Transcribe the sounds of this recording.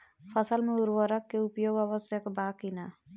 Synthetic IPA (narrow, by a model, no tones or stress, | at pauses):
pʰəsəlmeuɾwəɾəkːeupjoɡəβəsjəkbakina